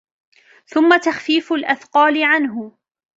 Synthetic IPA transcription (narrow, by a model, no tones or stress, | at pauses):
θʊmːat̪axfiːfʊlʔaθqɑːlɪʕanɦʊ